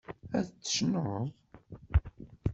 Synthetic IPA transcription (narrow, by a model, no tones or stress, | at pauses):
æθət͡sːə̥ʃnəðˤ